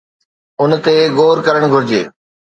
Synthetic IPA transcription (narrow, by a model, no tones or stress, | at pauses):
ʊnt̪eɡoːɾkɐɾəɽ̃ɡʱʊɾɪd͡ʑeː